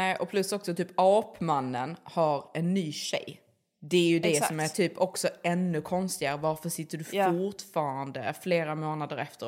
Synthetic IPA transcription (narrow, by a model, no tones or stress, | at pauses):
nɛːʔɔpʰlɵsɔksɔt̪ʰyːpɑːpmanːənhaɾɛnːyːɕɛ̰j | d̪ɛæɾjɵd̪ɛsɔmæɾʈ̪ʰyːpʰɔksɔɛnːɵkʰɔnst̪ɪɡaɾəvaɾfœʂɪt̪ːəɖɵfʊʈfɑːɾand̪əfleːɾamoːnad̪əɾɛft̪ə